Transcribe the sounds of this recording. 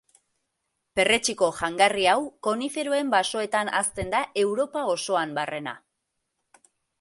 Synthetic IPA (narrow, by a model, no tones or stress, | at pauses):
pe̞re̞t͡ʃiko̞ʝaŋɡariawko̞nife̞ɾoe̞mbaso̞e̞t̪ana̰st̪e̞nd̪aʔe̞wɾo̞pao̞so̞ambare̞na̰